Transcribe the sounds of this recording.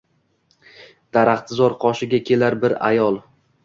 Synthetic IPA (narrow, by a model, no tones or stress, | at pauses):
d̪̥aɾaχt̪ʰɪzɒɾqʰɒʃɪɡʲakʲʰe̞laɾbɪɾa̰jɒlˠ